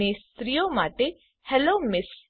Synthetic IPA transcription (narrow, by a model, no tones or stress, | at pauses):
est̪ɾijomaʈe | hɛlomɪs